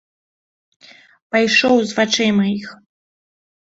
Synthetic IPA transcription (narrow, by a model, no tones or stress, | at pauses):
pajʂɔwzvat͡ʂɛjmɐix